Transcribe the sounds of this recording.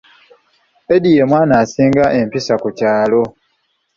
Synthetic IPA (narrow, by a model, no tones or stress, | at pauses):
edijemwaːnaːsiːŋɡaʔe̞mpisakucaːlo̞